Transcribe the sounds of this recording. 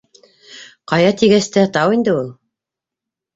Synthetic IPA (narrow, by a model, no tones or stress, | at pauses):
qɑjɑt̪iɡæst̪ɘt̪ɑwind̪ɘulˠ